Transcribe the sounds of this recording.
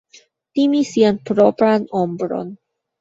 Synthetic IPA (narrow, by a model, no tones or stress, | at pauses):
timisianpɾo̞pɾano̞mbɾo̞̰n